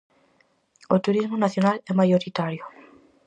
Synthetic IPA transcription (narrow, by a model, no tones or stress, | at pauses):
ot̪uɾizmonaθjonalɛmajoɾit̪aɾjo